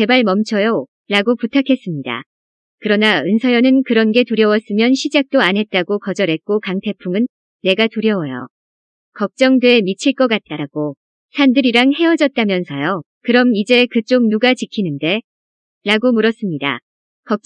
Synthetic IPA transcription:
ke̞baɭmʌmt͡ɕʰʌjo | ɾaɡoputʰakʰe̞s͈ɯmɲida̰ | kɯɾʌnaɯnsʰʌjʌnɯnkɯɾʌnɡe̞tuɾjʌwʌs͈ɯmjʌnɕʰid͡ʑak̚t͈oanɦe̞t̚t͈aɡokʌd͡ʑʌɾɦe̞t̚k͈okaŋtʰe̞pʰuŋɯnː | e̞ɡatuɾjʌwʌjo̰ | kʌk̚t͡ɕ͈ʌŋdweemit͡ɕʰiɭk͈ʌk͈at̚t͈aɡ̥o | sʰandɯɾiɾaŋhe̞ʌd͡ʑʌt̚t͈amjʌnsʰʌjo | kɯɾʌmid͡ʑe̞kɯt͡ɕ͈oŋ̚nuɡat͡ɕikʰinɯnde̞ | ɾaɡomuɾʌs͈ɯmɲida̰ | kʌk̚

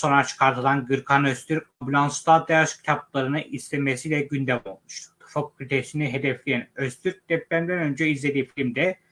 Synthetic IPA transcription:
so̞nɾat͡ʃʰɯ̥kʰaɾt̪ʰɯlˠanɡɯɾkʰanøst̪ʰyɾambulʲˠansd̪ad̪ajaʃcʲʰt̪ʰaplˠaɾɯnɯʔist̪ʰemesilʲɛɟynd̪ɛmolˠmuʃt̪u̥t̪ʰfop̚kʰʲylʲit̪ʰeʃiniɦed̪ɛflʲijænøst̪ʰyɾk̚d̪̥ɛp̚lʲæɾimd̪ænø̞nd͡ʒɛizlʲe̞d̪iːfilʲmd̪ɛ

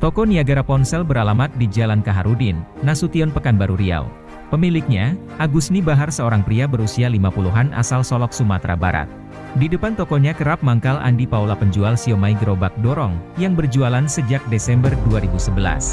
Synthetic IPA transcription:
t̪ɔkɔniaɡaɾapɔnsɛlbəɾalamat̪̚did͡ʒalankaɦaɾudɪnːasut̪iɔnpəkanbaɾuɾia̰w | pəmilɪk̚ɲa | ʔaɡusnibaɦarsəoɾaŋpɾiabəɾusialimapuluɦanʔa̰salsɔlɔksumat̪ɾa̰ba̰ɾa̰t̪̚ | didəpant̪ɔkɔɲakəɾap̚maŋkalʔa̰ndipawlapəɲd͡ʒualsiomaiɡəɾobak̚dɔɾɔŋjaŋbərd͡ʒualansəd͡ʒak̚desɛmbərduaɾibusəbəla̰s

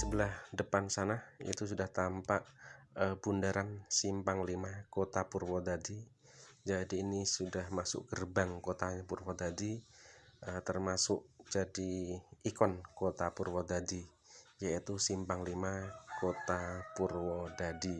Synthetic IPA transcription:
səbəlahdəpansanahḭt̪us̬udaht̪ampaʔəbundaɾansimpaŋlimakot̪apurwɔdadi | d͡ʒadiːnisudahmasʊ̰ʔkərbaŋkot̪aɲapurwɔd̪adi | ʔət̪ərmasʊʔd͡ʒadiːkɔnkot̪apurwɔd̪adi | jait̪usimpaŋlimakot̪apurwɔdadi

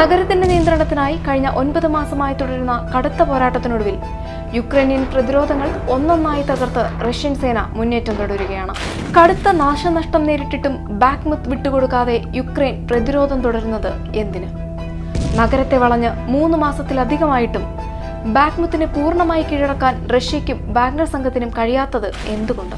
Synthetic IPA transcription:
nɐɣɐɾɐt̪ːinde̞nijɐnd̪ɾɐɳɐt̪ːinaːjikɐɻiɲːɐʔo̞nbɐðɨmaːsɐmaːjit̪oɽɐɾunːɐkɐɽut̪ːɐpo̞ːɾaːʈːɐt̪ːinoɽuʋil | jukrejnjɐnprɐðiɾo̞ːd̪ʱɐŋːɐɭo̞nːɐnːaːjit̪ɐɣɐrt̪ɨrɐʂjɐnse̞ːnɐ̰munːe̞ːtːɐmt̪oɽɐɾuɣɐjaːɳɨ | kɐɽut̪ːɐnaːʂɐnɐʂʈɐmne̞ːɾiʈːiʈːum | baːkmut̪ːʋiʈːuko̞ɽukːaːðe̞jukrejnprɐðiɾo̞ːd̪ʱɐmt̪oɽɐɾunːɐðɨ | e̞nd̪inɨ | nɐɡɐɾɐt̪ːe̞ʋɐɭɐɲːɨmuːnːɨmaːsɐt̪ːilɐd̪ʱiɣɐmaːjiʈːum | baːkmut̪ːinɨpuːrɳɐmaːjikːiːɻɐɽɐkːaːnrɐʂjɐkʲːumbaːknɐrsɐŋɡʰʱɐt̪ːinumkɐɻijaːt̪ːɐðɨ | e̞nd̪uɣo̞ɳɖɨ

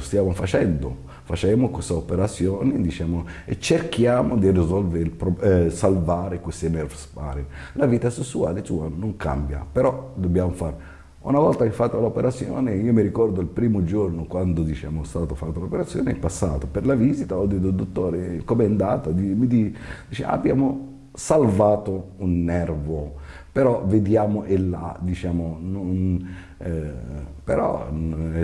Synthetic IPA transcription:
st̪jaːmofat͡ʃɛnd̪o | fat͡ʃɛmokwest̪aopeɾat̪sːjɔːned̪it͡ʃɛːmoḛt͡ʃːerkjaːmod̪irizɔlveɾilpɾosalvaːɾekwest̪emɛrspa̰ɾelaviːt̪asesːuaːlesuanoŋka̰mbja̰peɾɔd̪obːjaːmofaɾ | ṵnavɔlt̪akefːat̪ːolaopeɾat̪sjɔ̰ːneiːomiɾikɔrd̪oilpɾiːmod͡ʒornokwand̪od̪it͡ʃa̰ːmost̪aːt̪ofat̪ːolopeɾat̪sːjo̰ːneipasːa̰ːt̪operlavizit̪aɔd̪et̪ːod̪ot̪ːoːɾekomɛnd̪aːt̪ad̪imid̪id̪it͡ʃḛa̰bjaːmo | salvaːt̪ounːɛrvo | peɾɔved̪jaːmoʔelːa̰d̪it͡ʃaːmonon | peɾɔ̰

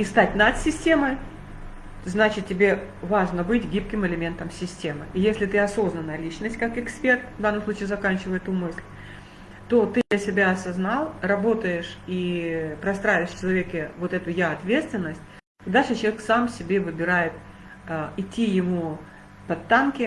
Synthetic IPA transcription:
ist̪atʲnat̪sʲɪsʲtʲeməj | znat͡ɕɪt̪̚tʲɪbʲe̞vaʐnəbɨtʲɡʲip̚kʲɪmɨlʲɪmʲe̞nt̪əmsʲɪsʲtʲe̞mɨijesʲlʲɪt̪ɨɐso̞znənəlʲit͡ɕnəsʲtʲkakɪkspʲe̞rt̪vd̪anːəmsˠut͡ɕiːzɐkanʲt͡ɕɪvəjɪt̪umɨsʲlʲ | t̪o̞t̪ɨd̪ʲɐsʲɪbʲaɐsɐznɑlˠrɐbo̞t̪əjɪʂipɾɐst̪ɾaɪvʲɪʂʲt͡ɕɪlˠɐvʲekʲɪvo̞t̪ɛt̪ʊjaɐt̪vʲe̞t̪st̪vʲɪnːəsʲt̚ʲ | d̪alʲʂɨt͡ɕɪlˠɐvʲeksamsʲɪbʲe̞vɨbʲɪɾajɪt̪̚ | əɪtʲːijɪmu | pɐt̪ːankʲɪ

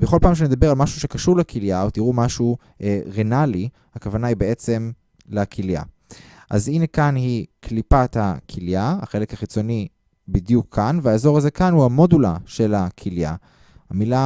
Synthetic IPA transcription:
beχo̞lpaːmʃ̬ened̪abe̞ʁalmaʃuʃekaʃuʁlekʰiljaot̪iʁumaʃu | ʔeʁenali | hakavanaibeet͡se̞m | lekʰilja̰ | ʔa̰zinekanhikʰlipat̪hakʰiljaa̰χe̞lekhaχit͡so̞ni | bid̪jukʰːanveaezo̞ʁaze̞kanhuhamo̞dulaʃe̞lakʰilja̰ | hamila

